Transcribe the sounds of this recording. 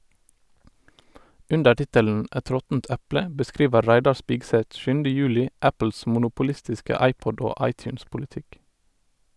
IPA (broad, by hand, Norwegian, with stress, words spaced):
ˈʔʉndə ˈʈɪtəln̩ ˈʔæt ˈɾɔtn̩t ˈæplə bəˈskɾiːʋə ˈɾæɪdɑ ˈʃpɪɡsɛt ˈʃʉndə ˈjʉːlɪ ˈʔæpl̩s mʊnʊpʊˈlɪstɪskə ˈɑɪpɔd ˈoː ˈɑɪtjʉːnspʊlɪˌtɪk